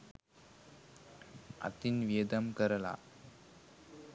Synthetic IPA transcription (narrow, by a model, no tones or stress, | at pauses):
ɐ̰t̪inʋeːd̪ɐmkəɾɐla̰